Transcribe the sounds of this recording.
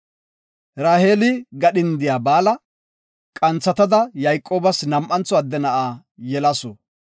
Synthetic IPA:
ɾaːhe̞ːlɪɡɐɗɪnd̪ɪjaːbaːlɐ | kʼɐnt͡sːɐt̪ɐd̪ɐjɐjkʼːo̞ːbɐsnɐmʔɐnt͡sɔɐd̪ːɛnɐʔaː | jɛlɐsɔ

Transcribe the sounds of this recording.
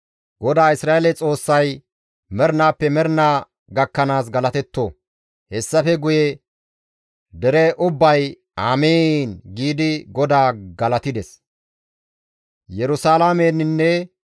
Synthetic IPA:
ɡ̥ɔd̪aːɪsɾaːelɛt͡sʼo̞ːsːɐj | mɛɾnaːpːɛmɛɾnaː | ɡɐkːɐnaːs̬ɡɐlɐt̪ɛt̪ːo | hɛsːɐfɛɡʊjɛ | d̪ɛɾɛʔʊbːɐj | aːmeːnɡiːd̪ɪɡɔd̪aːɡɐlɐt̪ɪd̪ɛs | jɛɾʊsaːlameːnnːɛ

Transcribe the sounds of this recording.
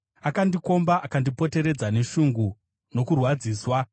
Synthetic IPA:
akandiko̞mbaʔakandipo̞te̞ɾe̞d͡zane̞ʃuŋɡu | no̞kurwad͡ziːswa

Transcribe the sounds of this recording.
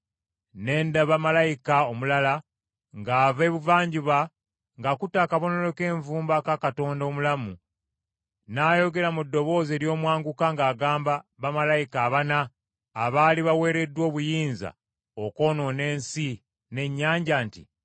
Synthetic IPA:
ne̞ːndaβamalajikaomulala | ŋɡaːve̞ːβuvaːɲɟuβa | ŋɡakutakaβo̞no̞lo̞ke̞ːɱvuːmbakakato̞ːndoːmulamu | naːjo̞ɡe̞ɾamudːo̞βo̞ːze̞ːɾjo̞ːmwaːŋɡukaŋɡaːɡaːmbaβamalajikaːβanaː | βaːliβawe̞ːɾe̞dːwo̞ːβujiːnza̰ | oko̞ːno̞ne̞ːnsi | ne̞ɲːaːɲɟantḭ

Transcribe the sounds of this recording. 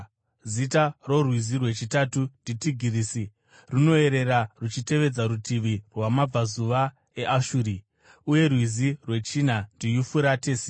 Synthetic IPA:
zitaro̞rwizirwe̞t͡ʃitatunditiɡʱirisi | runo̞e̞ɾe̞rarut͡ʃite̞ʋe̞d͡zaɾutʰiʋirwamab͡vazuʋa | e̞ʔaʃuːɾi | uje̞rwizirwe̞t͡ʃinandijufuɾateːse

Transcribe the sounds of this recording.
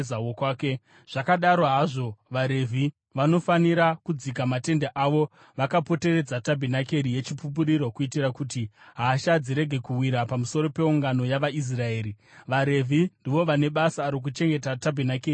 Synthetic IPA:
awokwaːke | ʐ̥akaɗaɾo̞ɦaʐo̞ʋaɾe̞vʱi | ʋano̞faniɾakud͡zik̬amate̞ndaʔaʋo̞ | ʋakapo̞te̞re̞d͡zatabʱinake̞ɾije̞t͡ʃipup̬uɾiɾo̞kuitirakutiɦaːʃad͡ziɾe̞ɡʱe̞kuwiɾapamuso̞ɾo̞pe̞uŋɡano̞jaʋais̬rae̞ːɾi | ʋaɾe̞vʱindiʋo̞ʋane̞ɓasaːɾok̬ut͡ʃe̞ŋɡe̞tatabʱinakeːi

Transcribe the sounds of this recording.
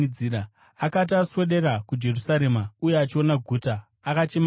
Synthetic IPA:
iɾa | akat̬aswe̞ɗe̞ɾakud͡ʒe̞rusaɾe̞maujeat͡ʃio̞naɡʱuːtaː | kat͡ʃe̞m

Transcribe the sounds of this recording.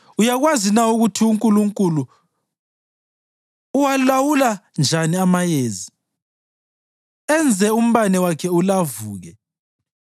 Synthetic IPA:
ujaɣwazinauɣutʰiuŋkʼuluŋkʼulu | walawuland͡ʒʱaniamajeːzi | ɛnd͡zʱɛum̩βanɛwakʰɛulavuːɣɛ

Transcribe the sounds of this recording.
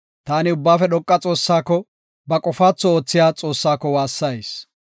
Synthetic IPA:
t̪aːnɪʊbːaːfɛɗ̪ɔkʼːɐt͡sʼo̞ːsːaːkːɔ | bɐkʼɔfaːt͡sːɔoːt͡sːɪjaːt͡sʼo̞ːsːaːkːɔwaːsːɐjs

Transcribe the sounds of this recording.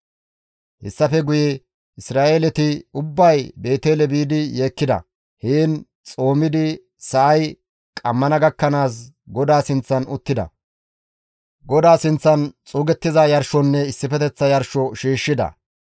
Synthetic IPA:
hɛ̰sːɐfɛɡʊjɛ | ɪsɾaːʔeːlɛt̪ɪʊbːɐjbe̞ːt̪eːlɛbiːd̪ɪjeːkːɪd̪ɐ̰ | hiːn | t͡sʼo̞ːmɪd̪ɪ | sɐʔɐj | kʼɐmːɐnɐɡɐkːɐnaːs̬ | ɡɔd̪aːsɪnt͡sːɐnʊt̪ːɪd̪ɐ̰ | ɡɔd̪aːsɪnt͡sːɐnt͡sʼuːɡɛt̪ːɪzajɐɾʃɔnːɛɪsːɪfɛt̪ɛt͡sːɐjɐɾʃɔʃiːʃːɪd̪ɐ̰

